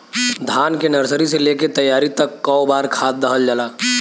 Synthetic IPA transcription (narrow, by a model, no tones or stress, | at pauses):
d̪ʱaːnkenəɾsəɾiseleket̪əjːaːɾit̪əkːɔobaːɾkʰaːt̪̚d̪əɦəld͡ʒəlaː